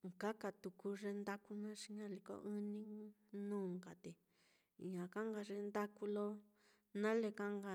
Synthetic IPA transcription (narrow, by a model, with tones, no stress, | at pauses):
ŋka˦ka˧t̪u˨ku˧ʐe˧nd̪a˦ku˦nã˦ʂi˧ɲã˦li˧ko̰˧ʔɨ˦nĩ˦ | nũː˦˨ŋɡa˨t̪e˨ | ɲã˨ka˦ŋɡa˧ʐe˧nd̪a˦ku˧lo˦ | nã˦le˧ka˦ŋɡa˧